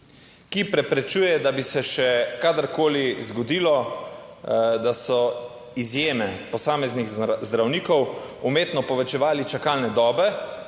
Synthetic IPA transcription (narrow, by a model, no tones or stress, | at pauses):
kipɾɛpɾɛt͡ʃuːjɛd̪abisɛʃɛkad̪əɾkoːlizɡɔd̪iːlɔ | d̪asɔ | izjeːmɛpɔsaːmɛznixzd̪ɾawniːkɔwumeːt̪nɔpɔʋɛt͡ʃɛʋaːlit͡ʃakaːlnɛd̪ɔːbɛ